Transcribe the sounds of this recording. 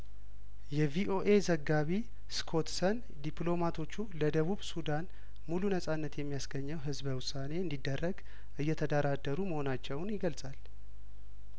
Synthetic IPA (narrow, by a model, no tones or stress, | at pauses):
jɛviʔo̞ʔe̞zəɡaβi | skʰo̞t̪sən | d̪iplo̞mat̪ʰo̞t͡ʃːuləd̪əβuβsud̪an | mulunəsʼanːət̪jɛmːijasɡəɲːɛwɦɨzβəwʊsane̞ɨnd̪id̪ːərːəɡ | ʔɨjːɛt̪ʰəd̪əɾad̪ːəɾuməho̞nat͡ʃːɛwnjɪɡəlsʼal